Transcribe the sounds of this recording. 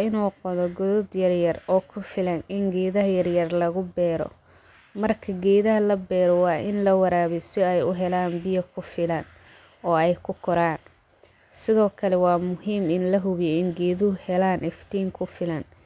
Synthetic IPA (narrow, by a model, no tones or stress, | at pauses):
ɪnuːqɔðɔɡʊðɔd̪jɐrjɐrɔːkʰʊfɪlɐnɪŋɡɛːðɐɦɐjɐrjɐrlɐɣʊbɛːɾɔ̰ | mɐrkʰɐɡɛːðɐɦɐlɐbɛːɾɔwɑːʔɪnlɐwɐɾaːβɛjsɪɛjʊɦɛlaːnbɪjɐkʰʊfɪlɐn | ɔːɛjkʰʊkʰɔɾaːn | sɪðɔːkʰɐlɛwɑːmʊhiːmɪnlɐɦʊβjɛɪŋɡɛːðʊhɛlaːnʔɪft̪ʰiːŋkʰʊfɪlɐn